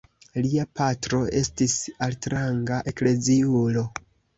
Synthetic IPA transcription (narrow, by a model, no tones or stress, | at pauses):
liapatɾo̞e̞stisaltɾaŋɡaʔe̞kle̞ziulo̞